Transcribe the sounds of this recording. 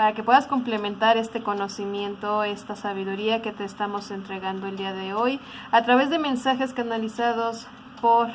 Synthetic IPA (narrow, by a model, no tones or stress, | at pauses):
paɾake̞pwe̞ðasko̞mple̞mẽ̞nt̪aɾe̞st̪e̞ko̞no̞simje̞nt̪o̞e̞st̪asaβ̞iðuɾiake̞t̪e̞ːst̪amo̞se̞nt̪ɾe̞ɣand̪o̞e̞ld̪iaðe̞o̞j | at̪ɾaβe̞zðe̞mẽ̞nsaxe̞skanalisaðo̞s | po̞ɾ